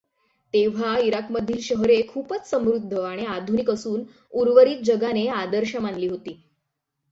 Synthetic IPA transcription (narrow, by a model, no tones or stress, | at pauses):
t̪eʋ̤aiɾakməd̪ʱːiːlɕəɦɾekʰuːpət͡ssəmɾud̪ʱːəʋaɽ̃ead̪ʱunikəsuːn | uɾʋəɾiːt̪̚d͡ʑəɡanead̪əɾɕəmanliːɦot̪iː